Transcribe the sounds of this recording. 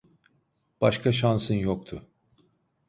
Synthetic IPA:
b̥aʃkʰaʃ̬ansɯnjok̚t̪ʰʊ

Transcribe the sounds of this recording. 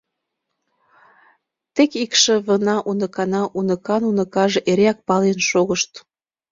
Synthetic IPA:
t̪ekikʃĕβənɑʔunəkɑnɑʔunə̆kɑnunɤ̆kɑʒĕʔeɾeɑk̚pɑlenʃoɣəʃt̪

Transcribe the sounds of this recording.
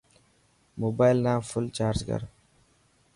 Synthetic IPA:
mobajlnaŋfʊlt͡ʃaːɾd͡ʒɡa̰ɾ

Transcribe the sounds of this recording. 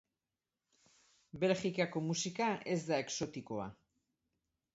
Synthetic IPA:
be̞lxikako̞musikae̞zd̪ae̞kso̞t̪iko̞a̰

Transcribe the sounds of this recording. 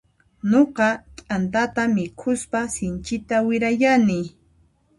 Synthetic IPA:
noqɑt̪ʼant̪̬at̪amɪkʰʊspasɪnt͡ʃɪt̪awɪɾajanɪ

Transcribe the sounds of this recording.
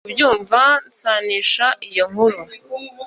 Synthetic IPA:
bjuːɱvansaniʃaʔijoŋuɾu

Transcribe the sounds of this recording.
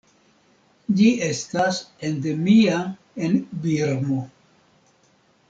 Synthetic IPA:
d͡ʒie̞stasende̞mia | e̞nbiɾmo

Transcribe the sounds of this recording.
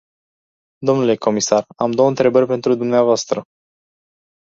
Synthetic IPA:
d̪o̞mnule̞ko̞misaramd̪o̞wəɨnt̪ɾe̞bərʲpe̞nt̪ɾud̪umneavoast̪ɾə

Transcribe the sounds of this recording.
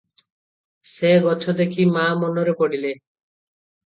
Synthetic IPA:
seɡɔt͡ʃʰod̪ekʰimamɔnɔɾepɔɽile

